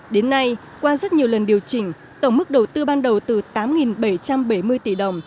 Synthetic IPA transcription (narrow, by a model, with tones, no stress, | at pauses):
ɗe˨˦nːa˧j | kwaː˧zə˦˥t̚ɲi˨˩əwlə˨˩nɗi˨˩əwt͡ɕï˧˩ŋ̟ | t̪ə˧˩ŋ͡mmɨ˦˥k̚ɗə˨˩wt̪ɨ˧ɓaː˧nɗə˨˩wt̪ɨ˨˩t̪aː˨˦mŋi˨˩nɓə˧˩jt͡ɕa˧mɓə˧˩jmɨ˧əjt̪i˧˩ɗə˨˩wŋ͡m